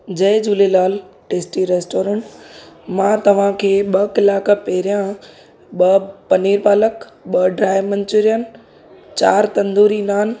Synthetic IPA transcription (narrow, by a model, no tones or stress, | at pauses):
d͡ʑɐɪd͡ʑulelaːl | ʈeːsʈiɾeːsʈoːɾə̃ɳʈmãːt̪ɐʋ̤ãkʰeːɓɐkɪlaːkpɛɦɪɾijã | ɓɐpɐniːɾpaːləkɓɐɖɾaːɪmɐ̃ɲt͡ɕʊɾijən | t͡ɕaːɾt̪ɐ̃nd̪oːɾinaːn